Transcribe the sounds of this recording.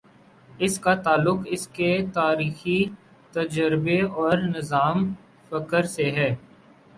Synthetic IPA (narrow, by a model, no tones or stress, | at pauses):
ɪskat̪aːlʊqɪsket̪aːɾiːxi | t̪ɐd͡ʒəɾbeɔːɾnɪzaːm | fɐkəɾseɦɛː